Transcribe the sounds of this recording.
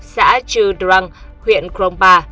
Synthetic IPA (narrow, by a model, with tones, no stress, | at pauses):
sa̰ː˧˥t͡ɕɨ˧˩da˧ŋhwḭ˧˨ənkɾo˧ŋ͡mɓaː˧˩